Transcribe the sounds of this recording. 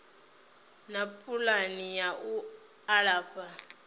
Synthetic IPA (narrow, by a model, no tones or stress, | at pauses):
napʼulanijaʔu | aɺaːba